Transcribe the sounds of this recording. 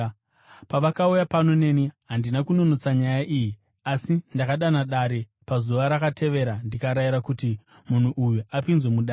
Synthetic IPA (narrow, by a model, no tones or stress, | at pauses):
paʋakaujapano̞ne̞niɦandinakuno̞no̞t͡saɲajaʔiji | asindakaɗanaɗaɾe̞ | pazuʋaɾakatʰe̞ʋe̞ɾandikaɾajiɾakuti | mun̤uʔujuapinzwemuɗaː